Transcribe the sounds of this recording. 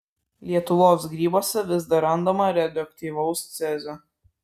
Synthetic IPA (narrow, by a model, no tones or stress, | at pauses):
lʲiɛt̪ʊʋoːsɡɾʲiːboːsʲɛʋʲɪzd̪ɐɾɐnd̪oːmɐɾʲɛd̪ʲɔk̚t̪ʲiːʋɐʊst̪sʲɛzʲo